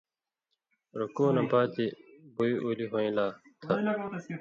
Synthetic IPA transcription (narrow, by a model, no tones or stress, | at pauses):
ɾɐkoːnɐ̃baːt̪eboiʔoːliɦoĩːlaːt̪ʰɐ